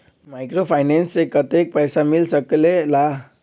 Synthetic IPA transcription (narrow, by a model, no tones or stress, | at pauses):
majkɾopʰajnensekːʌt̪ek̚pʌjsamilsʌkelela